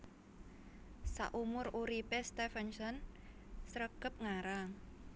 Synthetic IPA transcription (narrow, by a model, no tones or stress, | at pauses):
sa̰ʔumʊruɾipest̪ɛfɛnsɔn | səɾəɡ̥əp̚ŋaɾaŋ